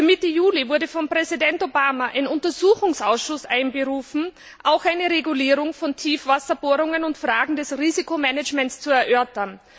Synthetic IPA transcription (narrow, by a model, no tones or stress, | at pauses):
ɐmɪtəjuːlivʊɐɾəfɔmpʁ̥ɛzidɛntobaːmaʔaɪnʊntɐzuːxʊŋsʔaʊsʃʊsʔaɪnɡəʁuːfn̩ | ʔaʊxaɪnəʁeɡuliːʁʊŋfɔntʰiːfv̥asɐb̥oːʁʊŋənʊntfʁ̥aːɡŋ̩dɛsʁiːzikomɛnət͡ʃmɛntst͡suɛɐʔœɐtɐn